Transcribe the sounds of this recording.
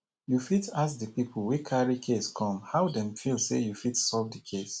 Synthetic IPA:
jufitasdəpipl̩wikʰaɹikʰeskʰɔ̃mhaʊdɛ̃mfilˠsḛjufitsɔvdikʰes

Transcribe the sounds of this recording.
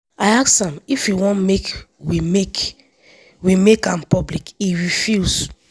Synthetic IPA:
ajaksãmifjuwɔ̃nmek | wimek | wimekãmpɔblikiɹifus

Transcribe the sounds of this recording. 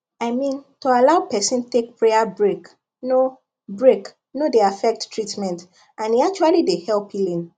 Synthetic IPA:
aɪmĩntoalaʊpɛsĩntek̚pʰɹeabɹek | no | bɹek | nodeafɛk̚ttʰɹitmɛ̃nt | ãniak̚t͡ʃualidehɛlˠpilĩn

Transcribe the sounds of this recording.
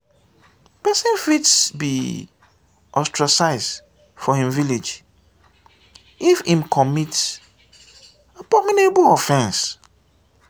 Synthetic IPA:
pɛsɪ̃nfitsbḭ | ʔɔstɹasaɪs | fɔhĩmviled͡ʒ | ifĩmkʰɔmits | abɔmĩnebʊɔfɛ̃ns

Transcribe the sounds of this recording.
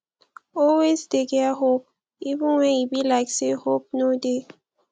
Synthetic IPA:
ɔlwezdeɡɛaɦop̚ | ivə̃nwɛ̃nibilaɪksehop̚node

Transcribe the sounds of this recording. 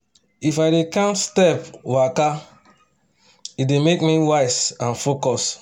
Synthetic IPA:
ifaɪdekãntstɛpwaka | idemekmiwaɪsãnfokɔs

